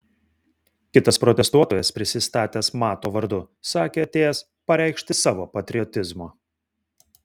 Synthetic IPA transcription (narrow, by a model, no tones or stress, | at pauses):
kʲɪt̪ɐspɾɔt̪ʲɛst̪uɔt̪oːjɛspʲɾʲɪsʲɪst̪ɑːt̪ʲeːsmɑːt̪oːʋɐɾd̪ʊ | sɑːkʲeːɐt̪ʲeːjɛs | pɐɾʲɛˑɪkʃʲt̪ʲɪsɑːʋoːpɐt̪ʲɾʲɪɔt̪ʲɪzmoː